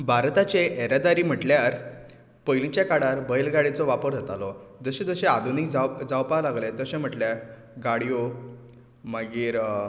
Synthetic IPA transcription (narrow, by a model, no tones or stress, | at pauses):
bʱaɾt̪at͡ɕeʔeɾad̪aɾiːm̤əʈljaɾ | pəjlĩt͡ɕjakaɽaɾbʱəjlɡaɽet͡sɔʋapəɾd̪ʱet̪alɔd͡zəɕẽd͡zəɕẽad̪ʱunikd͡zad͡zawpalaɡlẽt̪əɕẽm̤əʈljaɾ | ɡaɽijo | maɡiːɾ